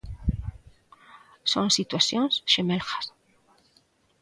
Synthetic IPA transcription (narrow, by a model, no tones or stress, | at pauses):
sonsit̪wasjonsʃemelxḁs